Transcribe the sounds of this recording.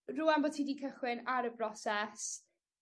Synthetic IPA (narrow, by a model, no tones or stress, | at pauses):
ruːanbotʰiːdiːkʰəχwɪnaɾəbrɔsɛs